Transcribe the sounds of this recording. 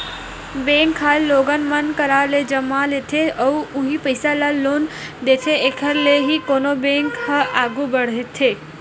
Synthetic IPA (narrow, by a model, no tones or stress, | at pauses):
bẽːŋkʰːaloːɡənmənkəɾaled͡ʒəmalet̪ʰeɔuʊɦipəɪsalaloːnd̪eːt̪ʰeekʰəɾleɦikoːnobẽːŋkhəʔaːɡubəɽ̤ɦet̪ʰe